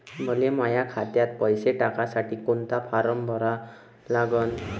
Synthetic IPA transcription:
məlemajakʰat̪jat̪̚pəjseʈakasaʈiːkont̪apʰaɾəmbʱəɾa | laɡən

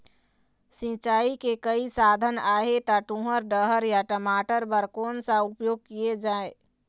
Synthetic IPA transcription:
sĩt͡ʃaikekəisad̪ʱənaɦet̪aʈũɦəɾɖəɦəɾjaʈəmaʈəɾbəɾkonsə̃upjoɡ̚kied͡ʒae

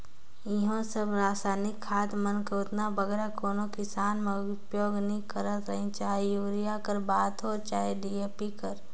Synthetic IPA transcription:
ɪɦõsəbɾaːsaːnɪkʰːaːd̪mənkoːt̪nabəɡɛːɾakoːnokɪsaːnmeʊʊpjoːɡnɦĩkəɾət̪ɾəɦĩt͡ʃaːɦejuːɾijakəɾbaːt̪ɦot͡ʃaːɦeɖiːeːpikəɾ

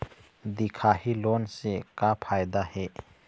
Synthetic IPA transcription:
d̪ikʰahilɔnsekapʰajd̪ahe

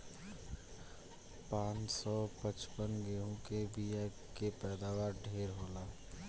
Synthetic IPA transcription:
pãːt͡ʃsɔːpət͡ʃpənɡeːɦõkebʱia | kepɛːd̪aːwaːɾɖʱeːɾɦoːlaː

